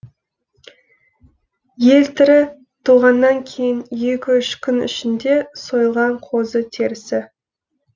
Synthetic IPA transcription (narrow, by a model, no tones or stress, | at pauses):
je̞lt̪ʰɪɾɪ | t̪ʰuʁɑnːɑŋkʲʰe̞jɪnje̞kʲɪʏʃkʲʰʏnʏ̰ʃɪnd̪e̞so̞jəlˠʁɑɴqʰo̞zət̪ʰe̞ɾɪsɪ